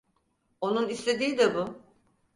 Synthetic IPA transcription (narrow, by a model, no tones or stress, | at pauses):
o̞nunislʲe̞d̪iːd̪ɛbʊ